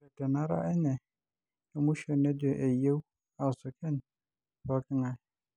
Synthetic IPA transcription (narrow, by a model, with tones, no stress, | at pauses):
ɛ˨dɛ˨nã˦ɾa̰˦ʔɛ˦nɛ̃˨ | ɛ˨mũ˦ɕᶣɛ˨nɛ̃˦dɛ˨ʔe˨je˦w | a˨sʊ˨kʰɛ̃˦n | bɔ˦kʰɪ˦ŋã˦˨